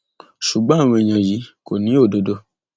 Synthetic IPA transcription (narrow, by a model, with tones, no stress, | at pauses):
ʃu˨ɡ͡bã˦a˦˨w̃ɔ̃˧i˨j̃ã˨ji˨˦ko˨nĩ˨˦o˦˨do˨˧do˧